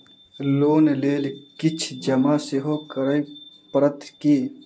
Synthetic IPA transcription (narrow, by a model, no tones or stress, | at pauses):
loːnleːlkɪt͡ʃʰd͡ʒəmaseɦokəɾəipəɾət̪kiː